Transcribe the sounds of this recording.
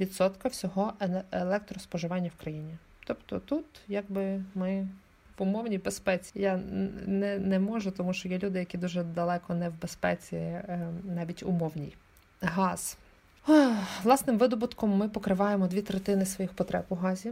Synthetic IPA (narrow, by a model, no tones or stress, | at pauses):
ʋʲid̪sɔt̪kɐwsʲɔɦɔʔeelˠɛk̚t̪ɾɔspɔʒɪʋɑnʲːɐwkɾɐjinʲi | t̪ɔpt̪ɔt̪ut̪jaɡbɪmɪ | ʋʊmɔwnʲijbespɛt͡sʲi̥janɛnɛmɔʒʊt̪ɔmuʃt͡ʃɔjɛlʲud̪ɪjɐkʲid̪uʒɛd̪ɐlˠɛkɔnɛwbespɛ̰t͡sʲḭnɑʋʲitʲʊ̰mɔwnʲḭj | ɦɑz̥ | lˠɑsnɪmʋɪd̪ɔbʊt̪kɔmːɪpɔkɾɪʋɑjemɔd̪ʋʲit̪ɾet̪ɪnɪsʋɔjixpɔt̪ɾɛpʊɦɑzʲi